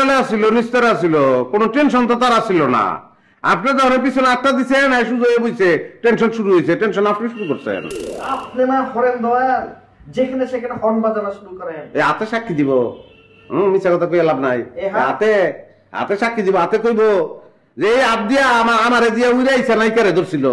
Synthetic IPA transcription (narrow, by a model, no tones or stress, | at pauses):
aleasilonist̪ɔɾeas̬ilokonoʈenʃ̬ɔnt̪̬ot̪aɾasilona̰ | a̰pned̪ɔɔnep̬isʰolaʈːad̪it͡ɕʰenajʃuzoebojsʰeʈenʃɔnʃuɾuɦojsʰeʈenʃɔnapneʃuɾukoɾsʰḛnapnenafɔɾend̪ɔaɾ | d͡ʒekʰɛneʃekʰɛnefɔɾnbad͡ʑanaʃuɾukɔɾeneat̪eʃakːid̪ibo | mit͡ɕʰːakɔt̪ʰak̬ojalabnaja̰t̪e | a̰t̪eʃakːid̪iboat̪ekojbo | d͡zeejab̚d̪ijamaɾamaɾed͡ʑiaujɾajsʰenajkɛɾed̪oɾsʰilo